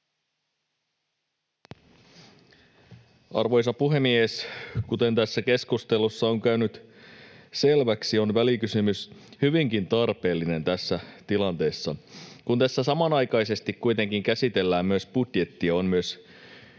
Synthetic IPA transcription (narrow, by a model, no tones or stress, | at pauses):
ɑ̰rʋo̞jsɑpuɦe̞mieskut̪e̞nt̪æsːæke̞skust̪e̞lusːɑoŋkæynyt̪ | se̞lʋæksio̞nʋælikysymyshyʋiŋkint̪ɑrpe̞ːlːine̞nt̪æsːæt̪ilɑnt̪e̞ːsːɑkunt̪æsːæsɑmɑnɑjkɑjse̞st̪ikkujt̪e̞ŋkiŋkæsit̪e̞lːæːmmyøsb̥ud̥je̞t̪ːiɑonmyøs